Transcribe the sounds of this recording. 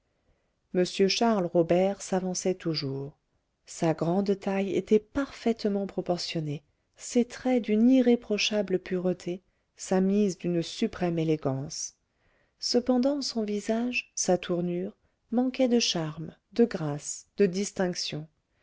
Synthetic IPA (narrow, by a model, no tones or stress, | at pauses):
məsjøʃaʁlʁɔbɛʁsavɑ̃sɛt̪ʰuʒuːʁ | saɡʁɑ̃d̪t̪ajḛt̪ɛpaʁfɛt̪mɑ̃pχɔpɔʁsjɔne | set̪χɛd̪yniʁepχɔʃabləpyʁət̪ʰe | samizd̪ynsypχɛmeleɡɑ̃s | səpɑ̃d̪ɑ̃sɔ̃vizaʒsat̪ʰuʁnyʁ | mɑ̃kɛd̪əʃaʁm | d̪əɡʁasd̪̥əd̪ist̪ɛ̃ksjɔ̃